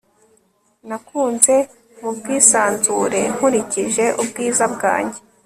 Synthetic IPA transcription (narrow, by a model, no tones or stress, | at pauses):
nakuːnze̞ | mub̚ɡiːsaːnzuɾe̞̰ŋ̥uɾiciʒe̞ʔubɡiːzabɡa̰ːɲɟe̞